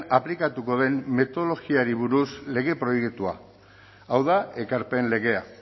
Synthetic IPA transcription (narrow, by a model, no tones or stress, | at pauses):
aplikat̪uko̞ðe̞mːe̞t̪oðolo̞ɣiaɾiβuɾusle̞ɣe̞pɾo̞jekt̪ua̰ | awðae̞kaɾpe̞nle̞ɣe̞a